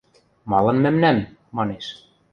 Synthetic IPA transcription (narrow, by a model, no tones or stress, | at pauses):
mɑlˠɤ̆nmæmnæmːɑneʃ